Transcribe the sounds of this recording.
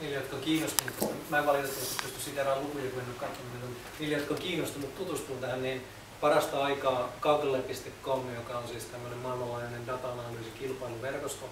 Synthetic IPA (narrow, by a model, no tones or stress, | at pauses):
niːlːejot̪̚kɑkiːnːost̪umut̪ːmæːkɑljɑost̪ːɑet̪se̥pyst̪yssiːt̪ærɑlukujɑkuenːokkɑt̪ːomik̪on | niːlːejot̪̚kɑkiːnːost̪umut̪t̪ut̪ust̪uːt̪æhænniːn | pɑrɑst̪ɑɑikɑːkɑukelːepist̪ekːomːejokɑonsiːst̪æmːonemmɑlmɑlɑiɑnendɑt̪ɑnɑlysikilpɑiluʋerkost̪o